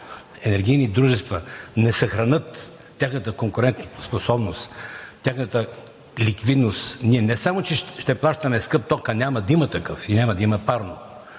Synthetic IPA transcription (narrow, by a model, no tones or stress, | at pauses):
ɛnɛɾɡʲijnid̪ɾuʒɛst̪vənɛsɐxɾɐnɤt̪ːʲ | axnət̪əkoŋkʊɾɛnt̪sposɔbnost̪tʲjaxnət̪ə | likvid̪nost̪niɛnɛsamot͡ʃɛʃt̪ɛplˠaʃt̪ɐmɛskɤp̚t̪ɔkənʲamɐd̪imət̪ɐkɤfinʲamɐd̪ɐimɐpaɾno